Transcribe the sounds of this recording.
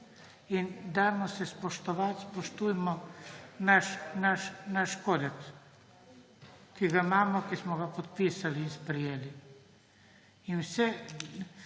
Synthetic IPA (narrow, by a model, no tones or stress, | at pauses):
ind̪amɔsɛspɔʃt̪ɔʋat̪spɔʃt̪ujmɔnaʃnaʃnaʃkoːd̪ɛks | kiɡaimaːmɔkismɔɡapɔt̪pisaliːnspɾɛjeːli | inwsɛ